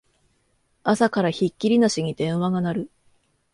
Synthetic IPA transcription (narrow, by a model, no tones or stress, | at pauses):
asakaɾaçikʲːiɾʲinaɕiɲ̟id̪ẽ̞ɰ̃βaɡanaɾɯ̟